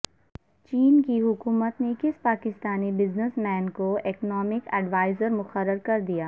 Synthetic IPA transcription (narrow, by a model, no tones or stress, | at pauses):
t͡ʃiːnkiɦʊkuːmət̪nekɪspaːkɪst̪aːnibɪznəsmɛ̃ːnkoeːknɔːmɪkɛɖʋaːɪzəɾmʊxəɾːəɾkɐɾd̪ijaː